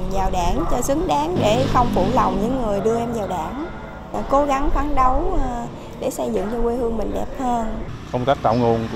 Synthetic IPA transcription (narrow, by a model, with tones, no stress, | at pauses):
mzaː˨˩wɗaː˧˩nt͡ɕɔ˧sɨ˨˦əŋɗaː˨˦ŋɗe˧˩xə˧wŋ͡mfṵ˧˩lə˨˩wŋ͡mɲɨ̰˧˥ŋːɨ˨˩əjɗɨ˧əʔɛ˧mzaː˨˩wɗa̰ː˧˩n | ko˨˦ɣa˨˦ŋfaː˨˦nɗə˨˦w | ɗe˧˩sə˧jzɨ̰˧˨ŋt͡ɕɔ˧kwe˧hɨ˧əŋmï˨˩ŋ̟ɗɛ˨˩p̚həː˧nkə˧wŋ͡mt̪aː˦˥k̚t̪a̰˧˩wŋo˧˩n